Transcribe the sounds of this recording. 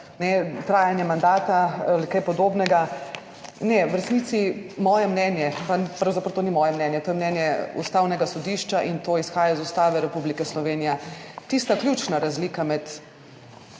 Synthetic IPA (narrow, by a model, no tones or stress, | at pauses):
nɛt̪ɾaːjanjɛmand̪aːt̪aalikajpɔd̪oːbnɛɡa | nɛwɾɛsnit̪simɔːjɛmnɛnjɛpapɾɐwzapɾəwt̪oːnimɔːjɛmnɛnjɛt̪oːjɛmnɛnjɛṵst̪aːwnɛɡasɔd̪iʃt͡ʃaʔint̪oisxaːjaizust̪aːʋɛɾɛpublikɛslɔʋeːnijɛt̪ist̪aklʲjut͡ʃnaɾazliːkamɛt̪